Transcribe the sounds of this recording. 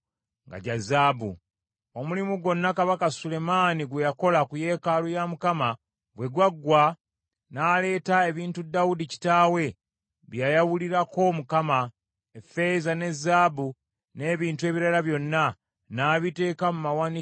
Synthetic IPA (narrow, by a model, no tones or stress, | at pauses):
ŋɡa̰ɟazaːbṵ | o̞mulimuɡo̞nːakaβakasule̞maːniɡwejako̞lakuje̞ːkaːlujamukama | bwe̞ɡwaɡwa | naːle̞ːtae̞βiːntudːawudici̥taːwe̞ | βjajawuliɾako̞mukama | efe̞zane̞zːaːbu | ne̞ːβiːntue̞ːβiɾalaβjo̞nːa | naːβite̞ːkamumawani